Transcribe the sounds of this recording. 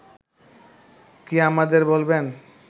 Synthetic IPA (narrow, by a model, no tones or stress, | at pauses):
kiamad̪eɾbolben